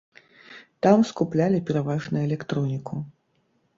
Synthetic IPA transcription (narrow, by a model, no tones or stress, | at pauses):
t̪amskuplʲalʲipʲɛɾavaʐnɐɛlʲɛkt̪ɾɔnʲikʰu